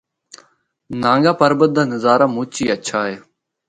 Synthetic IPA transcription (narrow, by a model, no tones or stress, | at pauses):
nãːŋɡaːpəɾbəd̪aːnəzaːɾaːmuːt͡ʃiːət͡ʃʰaːɦeː